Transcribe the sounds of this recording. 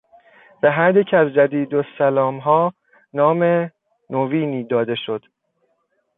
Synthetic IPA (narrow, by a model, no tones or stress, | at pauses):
væɦæɾd̪ecʰæzd͡ʒæd̪iːd̪osælɒːmɦɒː | nɒːme̞ | noviːniːd̪ɒːd̪e̞ʃo̞d̪̥